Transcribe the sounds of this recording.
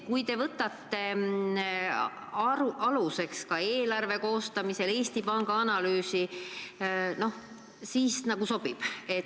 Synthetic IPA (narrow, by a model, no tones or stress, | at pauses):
kujt̪e̞vɤt̪ːˑɑt̪ːe̞ | ɑɾuʔɑluse̞kskɑe̞ːlɑrve̞ko̞ːst̪ɑmise̞le̞ːst̪ipɑŋɡ̥ɑɑnɑlyːsi | no̞h | siːsnɑɡ̥uso̞b̥ib̥e